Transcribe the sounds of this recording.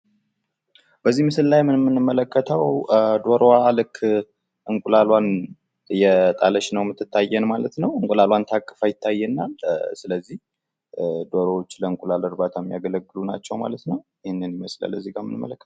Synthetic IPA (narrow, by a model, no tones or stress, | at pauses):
b̥əzːimɨsɨllajmːɨnmːɨnːɨmːələkːət̪ʰəwd̪oɾalɨkʰː | ʔɨŋkʷʼulalwan | jɛt̪ʼaləʃnəwmɨt̪ʰːɨt̪ːajːɛnmalət̪nəwɨŋkʼulalwant̪ʰakʼːɨ̥fajɪt̪ʰːajːɛnːalsɨləzːih | d̪oɾoot͡ʃːləɨŋkʼulaləɾbat̪ʰamːijaɡələɡːɨluna̰t͡ʃːɛwma̰lət̪nəwjɪhɪnːɨnjɪməsla̰lːəzːiɡamːɨ̰nɨmːə̰ləkːə̥t̪